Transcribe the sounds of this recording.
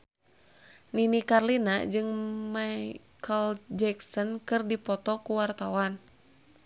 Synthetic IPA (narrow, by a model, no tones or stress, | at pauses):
ninikarlinad͡ʒɨŋma | kʰəld͡ʒɛksɔnkɨrdipɔt̪ɔkuwart̪awan